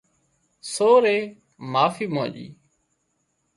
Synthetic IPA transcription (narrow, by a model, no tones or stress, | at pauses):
soːɾeː | maːfiːmõ̰ːʄḭː